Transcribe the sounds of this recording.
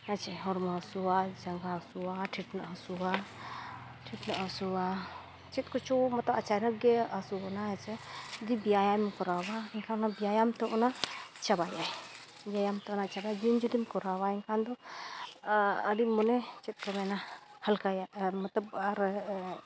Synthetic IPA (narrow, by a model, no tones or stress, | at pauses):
at͡ʃʰɛɦɔɾmasuwad͡ʒaŋɡasuwaʈʰiʈnaʔɦɔsuwa | ʈʰiʈnaʔasuwa | t͡ʃit̪̚kɔt͡ʃɔmɐt̪ləbat͡ʃanək̚ɡɛasuɔnaɦɛt͡ʃɛd̪ibijajamkɔɾawaɛŋkʰanabijajamt̪ɔʔɔnat͡ʃabajaj | bijajamt̪ɔnat͡ʃabajd͡ʒund͡ʒud̪imkɔɾawaɛŋkʰand̪ɔ | əɖimɔnɛt͡ʃit̪̚kɔmɛna | həlkajamɐt̪ləb̚aɾ